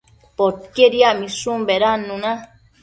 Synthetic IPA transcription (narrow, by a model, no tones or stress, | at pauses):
pot̚keɾiamĩsumbeɾanːũna